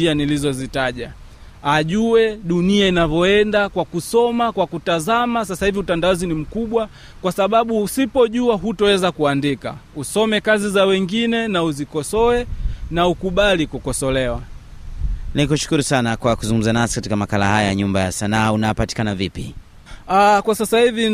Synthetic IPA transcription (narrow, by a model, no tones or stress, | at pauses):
ianilizɔzitaʄa | aʄuwɛɗuniainavjɔɛndakwakusɔmakwakutazamas̬asahiviutandaɔzinim̩kuɓwa | kwasaɓaɓusipɔʄuaɦutɔwɛzakuandika̰usɔmɛkazizawɛŋɡinɛnauzikɔsɔɛnaukuɓalikukɔsɔlɛwa | nikuʃu̥kuɾusanakwakuzuŋɡumzanasi̥katikamakalahajajaɲumbajasanaːunajapati̥kanavipḭ | akwasasahivi